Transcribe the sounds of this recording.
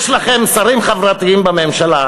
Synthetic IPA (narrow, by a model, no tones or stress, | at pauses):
ʃlaχemsaʁimχavʁat̪iimbamemʃala